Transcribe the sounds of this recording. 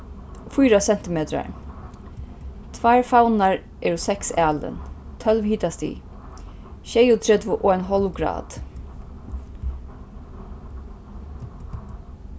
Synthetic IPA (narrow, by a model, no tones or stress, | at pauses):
fʊjɾasɛn̥t̪ɪmeːt̪ɾa̰ɹ | t̪ʰvajɹfawnaɹ | ʔɛːɹusɛksɛːlə̰nt̪ʰœlʋhiːt̪ast̪ḭː | ʃɛjʊt̪ʰɾɛt̪ʋʊʔɔajnɦɔlwɡɾa̰ːt̪